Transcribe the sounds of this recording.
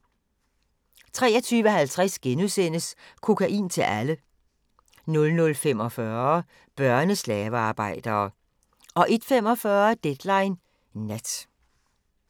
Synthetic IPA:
t͡sʰʁɛ̰ːɐ̽t͡sʰyːʋəɦælt͡sʰʁasɡ̥enusen̰əskʰo̝kʰæʔḭːnt͡sʰe̝lʔælə | nɔ̽lnɔ̽lfem̰ɒ̽fɶɐ | b̥ɶɐnəslɛːʋəɑ̈ːb̥ɑ̈ɪ̰d̥ɐː | ʔɒ̽ʔe̝d̥fem̰ɒ̽fɶːɐd̥ed̥lɑ̈ɪnː | æd̥

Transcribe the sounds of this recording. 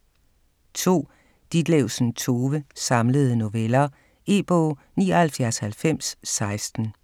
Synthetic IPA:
t͡sʰo̝̰ː | d̥id̥leʊsn̩t͡sʰo̝ːʋəsɑ̈mləð̞̩ˠno̝ʋelɐ | e̝ːb̥ɔ̰ː | niːɐhælfjæɐshælfem̰sːɑ̈ɪsd̥n̩

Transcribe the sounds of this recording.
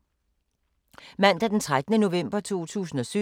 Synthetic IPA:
mæn̰d̥æd̥ent͡sʰʁad̥ənəno̝ʋem̰b̥ɐt͡sʰuo̝̰ːt͡sʰṵːsn̩ɒ̽sy

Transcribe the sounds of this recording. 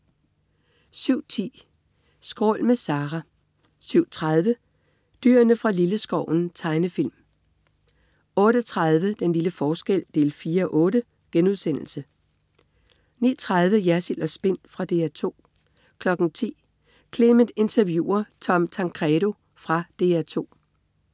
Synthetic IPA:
syʊ̰t͡sʰḭː | sɡ̥ʁɔ̰ːlmesɑ̈ːʁɑ | syʊ̰t͡sʰʁað̞ˠʋə | d̥y̰ɐnəfʁɑ̈liləsɡ̥ɒʊ̰n̩t͡sʰɑ̈ɪnəfil̰m | ɔ̽ːɾ̥ət͡sʰʁað̞ˠʋəd̥enliləfɒːsɡ̥el̰d̥e̝̰ːlfiːɐɒʔɔ̽ːɾə | ɡ̥enuðˠsen̰l̩sə | nḭːɐt͡sʰʁað̞ˠʋəjæɐsilɒ̽sb̥e̝n̰fʁɑ̈d̥e̝̰ːæt͡sʰo̝̰ː | kʰlɒ̽ɡ̥ŋ̩t͡sʰḭː | kʰle̝mənd̥e̝nt͡sʰɐʋjṵːɐt͡sʰɒ̽mt͡sʰɑ̈ŋkʰʁɛɾo̝ | fʁɑ̈d̥e̝̰ːæt͡sʰo̝̰ː

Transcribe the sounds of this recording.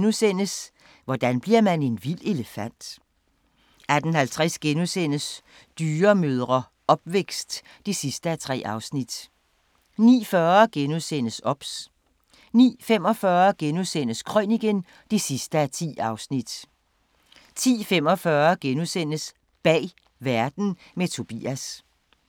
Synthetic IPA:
nusen̰əs | ʋɒd̥ænb̥liɐmæne̝nʋil̰e̝ləfæn̰d̥ | æd̥n̩hælt͡sʰʁasɡ̥enusen̰əs | d̥yːɐmøð̞ˠʁɐ | ɒ̽b̥̚ʋeɡ̥sd̥ː | isisd̥əæt͡sʰʁɛ̰ːɑ̈ʊsnid̥ | nḭːfɶːɐɡ̥enusen̰əsɒ̽b̥s | nḭːfem̰ɒ̽fɶːɐɡ̥enusen̰əskʰʁœniɡ̥en | d̥isisd̥əæt͡sʰḭːɑ̈ʊsnid̥ | t͡sʰḭːfem̰ɒ̽fɶːɐɡ̥enusen̰əs | b̥ɛ̰ː | ʋæɐd̥n̩ | met͡sʰo̝b̥ḭːæs

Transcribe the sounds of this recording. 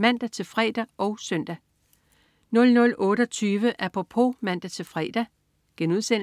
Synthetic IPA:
mæn̰d̥æt͡sʰe̝lfʁɛ̰d̥æʔɒʊsœn̰d̥æ | nɔ̽lnɔ̽lɔ̽ːɾ̥əɒ̽t͡sʰyːʋəʔæpʰo̝pʰo̝mæn̰d̥æt͡sʰe̝lfʁɛ̰ːd̥æ | ɡ̥enuðˠsen̰

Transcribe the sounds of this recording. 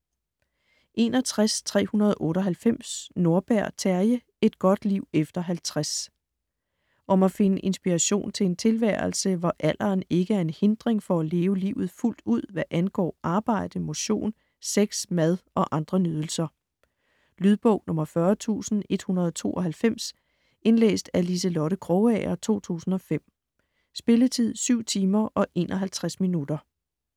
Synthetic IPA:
ʔe̝nɒ̽t͡sʰʁast͡sʰʁɛ̰ːhunɐð̞̩ˠʔɔ̽ːɾɒɦælfem̰sno̝ɐb̥æɐ̰t͡sʰæɐjə | e̝d̥̚ɡ̥ɒ̽d̥liʊ̰efd̥ɐɦælt͡sʰʁas | ʔɒ̽mæfe̝nəʔe̝nsb̥iʁɑɕo̝̰ːnt͡sʰe̝e̝nt͡sʰe̝lʋæ̰ɐlsəʋɒʔæl̰ʔɐːne̝ɡ̥əæɐe̝nhe̝nd̥ʁeŋfɒ̽æle̝ːʊəliʊð̩ˠful̰d̥uð̰ˠʋæʔænɡ̥ɒ̰ːʔɑ̈ːb̥ɑ̈ɪ̰d̥əmo̝ɕo̝̰ːn | seɡ̥smæð̞ˠʔɒ̽ʔɑ̈nd̥ʁɐnyð̞ˠl̩sɐ | lyð̞ˠb̥ɔʊnɔ̽mɐfɶɐt͡sʰṵːsn̩e̝d̥hunɐð̞ˠɒt͡sʰo̝̰ːʔɒɦælfem̰s | enlḛːsd̥ælis̬əlɔɾəkʰʁɔʊɛɐt͡sʰo̝̰ːt͡sʰṵːsn̩ɒ̽fem̰ | sb̥e̝lət͡sʰið̰ˠsyʊ̰t͡sʰiːmɐʔɒ̽ʔe̝̰ːnʔɒɦælt͡sʰʁasminud̥ɐ

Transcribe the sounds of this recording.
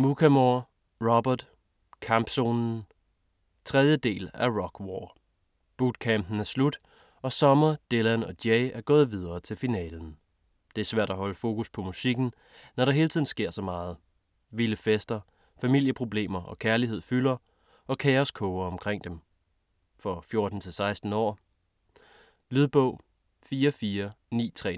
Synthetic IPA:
mukʰæmoɐ | ʁɒb̥ɐd̥ | kʰɑmb̥so̝ːnn̩ | t͡sʰʁɛð̞ˠjəd̥e̝̰ːlæɐʁɒɡ̥wɒː | b̥ud̥kʰæmb̥n̩æɐslud̥ | ɒ̽sɒ̽mɐd̥e̝lænɒ̽d̥jeɪæɐɡ̥ɔ̽ːð̞̩ˠʋið̞ˠɐːt͡sʰe̝lfinɛ̰ːln̩ | d̥e̝æɐsʋæɐ̰d̥æɦɒ̽ləfo̝ːkʰuspʰɒ̽musiɡ̥n̩ | nɒɾ̥ɑɦe̝ːlət͡sʰiðˠn̩sɡ̥e̝ɐ̰sɒ̽mɑ̈ːð̞̩ˠ | ʋiləfesd̥ɐ | fæmil̰jəpʰʁo̝b̥le̝̰ːmɐʔɒ̽kʰæɐliɦe̝ð̞̰ˠfylɐ | ʔɒ̽kʰɛːɒskʰɔʊɐɒ̽mkʰʁeŋ̰d̥em | fɒ̽fjo̝ɐd̥n̩t͡sʰe̝lsɑ̈ɪsd̥n̩ɒ̰ː | lyð̞ˠb̥ɔ̰̽ʊ̰ | fiːɐfiːɐnḭːt͡sʰʁɛ̰ː

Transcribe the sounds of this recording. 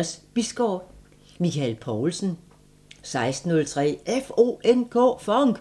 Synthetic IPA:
sb̥isɡ̥ɒb̥ | mikʰælpʰɒːlsn̩ | sɑ̈ɪsd̥n̩ːɔ̽lt͡sʰʁɛ̰ːʔefo̝ːenkʰɔ̰̽ːfɒŋɡ̥

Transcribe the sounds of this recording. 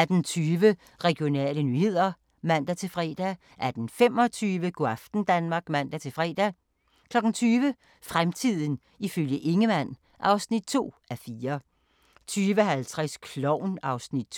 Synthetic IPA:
æd̥ent͡sʰyːʋə | ʁɛɡ̥jo̝nɛ̰ːlənyːhe̝ð̰ˠɐ | mæn̰d̥æt͡sʰe̝lfʁɛ̰ːd̥æ | ʔæd̥enfem̰ɒ̽t͡sʰyːʋəɡ̥o̝æfd̥n̩d̥ænmɑ̈ːɡ̥mæn̰d̥æt͡sʰe̝fʁɛ̰ːd̥æ | kʰlɒ̽ɡ̥n̩t͡sʰyːʋə | fʁamt͡sʰið̰ˠn̩ | iføljəʔe̝ŋəmæn̰ | ʔɑ̈ʊsnid̥̚t͡sʰo̝̰ːæfiːɐ | t͡sʰyːʋəɦælt͡sʰʁaskʰlɒʊ̰nɑ̈ʊsnid̥̚

